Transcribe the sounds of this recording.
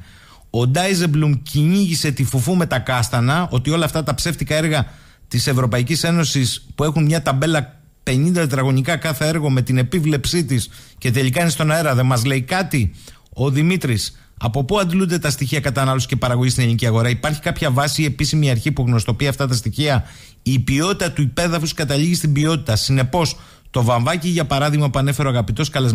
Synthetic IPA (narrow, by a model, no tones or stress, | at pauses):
o̞d̪ɐizeblumciɲiʝise̞t̪ifufume̞t̪ɐkɐst̪ɐnɐo̞t̪io̞lɐːft̪ɐt̪ɐpse̞ft̪ikɐe̞ɾɣɐ | t̪ise̞vɾo̞pɐicise̞no̞sispue̞xunmɲɐt̪ɐbe̞lɐ | pe̞ɲind̪ɐt̪ɾɐɣo̞ɲikɐkɐθee̞ɾɣo̞me̞t̪ine̞pivle̞psit̪isce̞t̪e̞likɐinest̪o̞nɐe̞ɾɐðe̞mɐzle̞ikɐt̪io̞ðimit̪ɾis | ɐpo̞puɐnd̪lund̪e̞t̪ɐst̪içiɐkɐt̪ɐnɐlo̞si̥ce̞pɐɾɐɣo̞ʝist̪ineliniciɐɣo̞ɾɐipɐɾçi̥kɐpçɐvɐsie̞pisimiɐɾçipuɣno̞st̪o̞piɐft̪ɐt̪ɐst̪içiɐ | ipio̞t̪it̪ɐt̪uipe̞ðɐfuskɐt̪ɐʎiʝist̪imbio̞t̪it̪ɐsine̞po̞s | t̪o̞vɐɱvɐciʝɐpɐɾɐðiɣmɐpuɐne̞fe̞ɾoɐɣɐpit̪o̞skɐlez